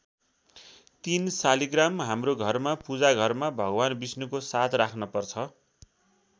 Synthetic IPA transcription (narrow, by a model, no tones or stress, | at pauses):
t̪insaliɡramɦamroɡʱʌrmapud͡zaɡʱʌrmabʱʌɡwanbisnukosat̪ʰrakʰnʌpʌrt͡sʰʌ